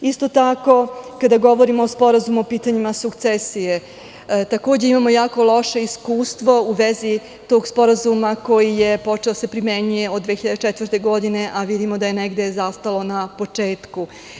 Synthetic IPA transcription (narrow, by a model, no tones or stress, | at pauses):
ist̪o̞t̪ako̞kad̪aɡo̞ʋo̞ɾimoːspo̞ɾazumuopiːt̪aɲimasukt̪sesije̞ | t̪ako̞ːd͡ʑeimamo̞jaːko̞lˠo̞ʃe̞iskuːst̪ʋo̞uʋezi | t̪o̞ːɡspo̞ɾazumako̞jije̞po̞t͡ʃe̞ose̞pɾime̞ɲuje̞od̪ʋeːçiʎad̪et͡ʃet̪ʋɾr̩t̪e̞ɡo̞d̪ine̞ʔaʋid̪imo̞d̪ajeneɡd̪e̞zast̪alo̞napo̞t͡ʂe̞ːt̪ku